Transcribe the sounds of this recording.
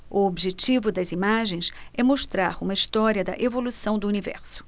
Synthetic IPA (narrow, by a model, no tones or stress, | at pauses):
ʊobiʒet͡ʃivʊd̪ɐzimaʒẽj̃sɛmoʃt̪ɾaɾũmɐist̪ɔɾiɐd̪ɐ̰ʔevolusɐ̃w̃d̪ʊunivɛ̰ɾsʊ̥